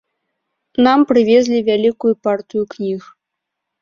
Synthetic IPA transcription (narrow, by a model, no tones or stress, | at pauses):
nampɾɨvʲezʲlʲivʲalʲikujupart̪ɨjuknʲix